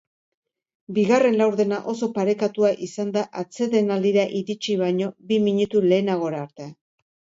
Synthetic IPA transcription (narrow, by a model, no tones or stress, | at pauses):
biɣare̞nlawɾðe̞naʔo̞so̞paɾe̞kat̪uaʔisand̪aʔat͡se̞ðe̞nald̪iɾaʔiɾit͡ʃiβajɲo̞bimiɲut̪ule̞ːnaɣ̞o̞ɾaːɾt̪ea